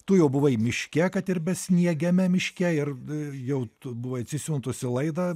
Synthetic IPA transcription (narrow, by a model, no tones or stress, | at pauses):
t̪ʊjɛʊbʊʋɐɪmʲɪʃʲkʲɛkɐt̪ɪrbʲɛsʲnʲiɛɡʲɛmʲɛmʲɪʃʲkʲɛɪrjɛʊtʊbʊʋɐɐt̪ʲsʲɪsʲuːnt̪ʊsʲɪlˠɐɪd̪ɐ